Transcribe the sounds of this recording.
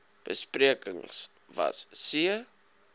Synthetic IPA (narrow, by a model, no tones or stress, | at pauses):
b̥əspriəkəŋs | vɐ̰ssiə